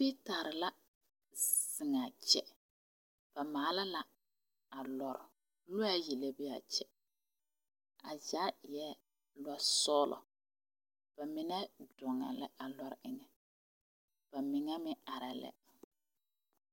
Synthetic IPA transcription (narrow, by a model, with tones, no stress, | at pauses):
pi˦ta˨ɾɪ˨la˦ | sɪ˨ŋa˨t͡ʃɛ˦ | b̥a˨maː˨˦la˦la˦ | a˨lɔ˨ɾɪ˨ | lʊ˦a˦jɛ˨le˦bi˦a̰˨t͡ʃɛ˦ | a˨zaː˦jɛ˦ | lɔ˦sɔː˦lʔɔ̰˨ | b̥a˨mɪ˦nɛ˦dʊ˨ŋa̰˨lɛ̰˦a˨lɔ˨ɾɪ˨ŋɛ˨ | b̥a˨mɪ˨ŋɛ˦mɪ˦a˨ɾa˨lɛ̰˦